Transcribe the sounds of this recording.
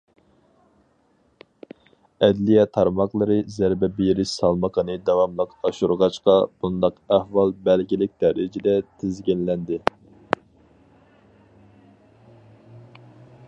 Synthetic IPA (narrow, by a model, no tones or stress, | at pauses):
ɛd̪lijɛt̪ʰɑɾmɑqlˠɨɾɨzæɾbɛbijɾɪʃsɑlˠməqʰənɨd̪ɑwɑmlˠəqɑʃuɾʁɑʃqɑb̥und̪ɑqæhwɑlˠbɛlɡʲilɪk̚ʲd̪̥ɛɾɪd͡ʒɪd̪ɛt̪ʰɪzɡʲinlɛnd̪ɪ